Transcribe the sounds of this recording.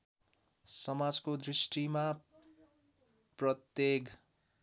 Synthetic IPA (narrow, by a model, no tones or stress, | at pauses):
sʌmad͡zkod̪risʈima | prʌt̪jek